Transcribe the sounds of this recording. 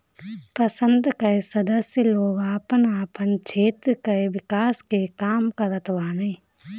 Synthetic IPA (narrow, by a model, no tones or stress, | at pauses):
pəsə̃nd̪kɐesɐd̪əsjəloːɡaːpənaːpənt͡ʃʰeːt̪ɾkaeʋɪkaːskekaːmkaɾət̪ʋaːneː